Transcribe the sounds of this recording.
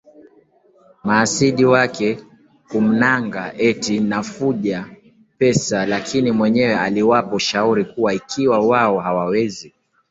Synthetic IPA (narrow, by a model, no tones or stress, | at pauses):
maːsiɗiwakɛ | kum̩naŋɡaʔɛtinafuʄa | pɛsalakʰinimwɛɲɛwɛaliwapɔʃauɾikuwaikʰiwawaɔhawawɛzi